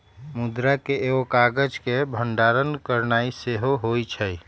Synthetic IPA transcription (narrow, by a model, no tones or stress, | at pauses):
mʊd̪ɾakeeokaːɡəd͡ʒkebʱəɳɖaːɾənkəɾnaːiseɦoɦoit͡ʃʰə